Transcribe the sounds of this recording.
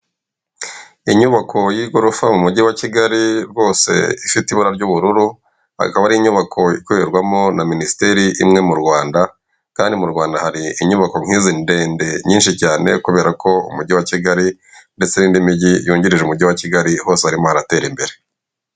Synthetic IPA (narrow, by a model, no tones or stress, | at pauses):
iɲuβakʰo̞jiɡo̞ɾofamumuɟiwaciɡaɾiɾɡo̞ːse̞̰ifitiβuɾaɾɟuβuɾuɾu | ha̰kaβaɾiːɲuβakʰo̞ikuβeɾɡwamo̞naministeɾiʔimŋe̞muɾɡwaːnda | kaːndimuɾɡwaːndahaɾiiɲuβako̞ŋ̥iːzinde̞ːnde̞ɲiːnʃicaːne̞̰kuβe̞ːɾako̞ṵmuɟiwaciɡaɾi | nde̞t͡se̞niːndimiɟijuːɲɟiɾiʒeumuɟiwaciɡaɾiho̞ːsehaɾimo̞haɾate̞ːɾimbe̞ɾe̞